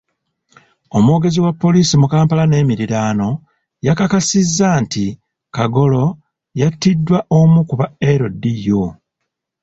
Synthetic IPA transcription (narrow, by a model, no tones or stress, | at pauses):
o̞mwo̞ːɡe̞ziwapːo̞liːsimukaːmpalane̞ːmiɾiɾaːno̞ | jakakasizːanti | kaɡo̞lo̞ | jatːidːwaʔo̞mukuβaeɾodːijo